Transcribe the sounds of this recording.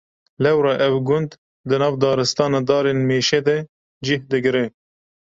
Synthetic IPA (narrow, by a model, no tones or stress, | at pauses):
lɛwɾɑʔɛwɡʊnd̪ | d̪ɨnɑːvd̪ɑːɾɨst̪ɑːnɑd̪ɑːɾenmeːʃɛd̪ɛ | d͡ʒɪhd̪ɨɡɾe